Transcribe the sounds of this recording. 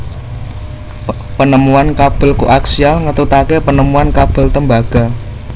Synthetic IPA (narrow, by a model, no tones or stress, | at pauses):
pənəmuankab̥ə̤lkuʔaksialŋət̪ut̪akepənəmuankab̥ə̤lt̪əmbaɡ̥a̤